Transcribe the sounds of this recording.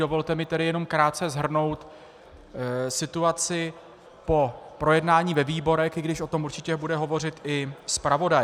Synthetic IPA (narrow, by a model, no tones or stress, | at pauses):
do̞vo̞lt̪ɛmɪt̪ɛɾɪjɛno̞mkɾaːt̪̚t͡sɛzɦr̩no̞wt̪ | sɪt̪uat͡sɪ | po̞pɾo̞jɛdnaːɲiːvɛviːbo̞ɾɛxʔɪɡdɪʃʔo̞t̪o̞muɾt͡ʃɪcɛbudɛɦo̞vo̞rɪt̪ɪspɾavo̞daj